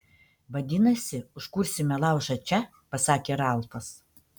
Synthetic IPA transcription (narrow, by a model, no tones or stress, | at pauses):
ʋɐd̪ʲɪnɐsʲɪʊʃkʊɾʲsʲɪmʲɛlˠɑˑʊʒɐt͡ʃʲɛ | pɐsɑːkʲeːɾɑˑlˠp̪ɐs